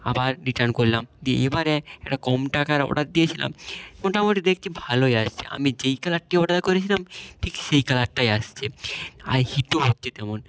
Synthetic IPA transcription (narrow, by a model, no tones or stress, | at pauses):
a̰baɾɾiʈaɾnkoɾlamd͡ʑeebaɾeɛk̚ʈakɔmʈakaɾɔ̰ɽat̪̚d̪ijet͡ɕʰila̰mmoʈamoʈid̪ekʰt͡ɕʰibʱalojaʃt͡ɕʰḛʔa̰mid͡ʑejkalaʈʈːiɔɽat̪koɾet͡ɕʰilamʈʰikʃejkalaʈʈajaʃt͡ɕʰea̰ɾhiʈoɦot̪ːt͡ɕʰet̪ɛmon